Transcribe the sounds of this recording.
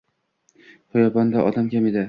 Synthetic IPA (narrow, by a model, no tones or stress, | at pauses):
hɒjɒbɒnd̪aʔɒd̪amkʲʰamed̪ɪ